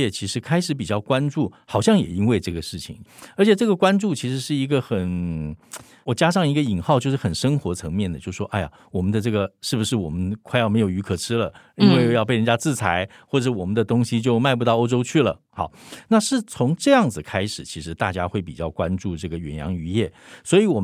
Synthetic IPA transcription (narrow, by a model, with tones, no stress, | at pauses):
ɛ˨˩t͡ɕʰi˧˥ʂɻ̩˧˥kʰa˥ɪʂɻ̩˧˥p̬i˨˩t͡ɕjɑ˥˩ʊkwa˥nʈ͡ʂu˥˩xɑ˨˩ʊɕjɑ˥˩ŋjɛ̰˨˩i˥nwe˥˧ɪʈ͡ʂɤ˥˩ɡə˩ʂɻ̩˥˩t͡ɕʰḭ˨˩˦ŋə˞˧˥t͡ɕʰɛ˨˩ʈ͡ʂɤ˥˩ɡə˩kwa˥nʈ͡ʂu˥˩t͡ɕʰi˧˥ʂɻ̩˧˥ʂɻ̩˥˩i˧˥ɡə˧xə˨˩n | wɔ˨˩t͡ɕja˥ʂɑ˥˩ŋi˧˥ɡə˧i˨˩ŋxɑ˥˧ʊt͡ɕjo˥˧ʊʂɻ̩˥˩xə˨˩nʂɤ˥ŋxwɔ˧˥t͡sʰɤ˧˥ŋmjɛ˥˩nd̪ə˩t͡ɕjo˥˩ʊʂʂwɔ˥ʔa˥˩ɪa̰˨˩wɔ˨˩mə˦nd̪ə˧ʈ͡ʂɤ˥˩ɡə˩ʂɻ̩˥˩bu˩ʂɻ̩˥˩wɔ˨˩mə˦nkʰa˥ɪjme˧˥ɪjo˨˩ʊy˧˥kʰɤ˨˩ʈ͡ʂʰɻ̩˥lə˨ | i˥nwe˥˧ɪjjɑ˥˧pe˥˩ɪɻə˧˥nt͡ɕja˥t͡sɹ̩˥˩t͡sʰa˧˥ɪxwɔ˥˩ʈ͡ʂə˩ʂɻ̩˥˩wɔ˨˩mə˦nd̪ə˧t̪ʊ˥ŋɕi˨t͡ɕjo˥˧ʊma˥˧ɪp̬u˧t̪ɑ˥˩ʊo˥ʊʈ͡ʂo˥ʊt͡ɕʰy˥˩lə̰˩xɑ̰˧˩˦na˥˧ʂɻ̩˥˩t͡sʰʊ˧˥ŋʈ͡ʂɤ˥˧jɑ˥˩ŋd͡zɹ̩˨˩kʰa˥ɪʂɻ̩˨˩t͡ɕʰi˧˥ʂɻ̩˧˥t̪a˥˩t͡ɕja˥xwe˥˩ɪpi˨˩t͡ɕjɑ˥˩ʊkwa˦˥nʈ͡ʂu˥˧ʈ͡ʂɤ˥˩ɡə˩ɥɛ̰˨˩njɑ̰˧˥ŋy˧˥jɛ˥˩swɔ˧˥i˧˥wɔ˨˩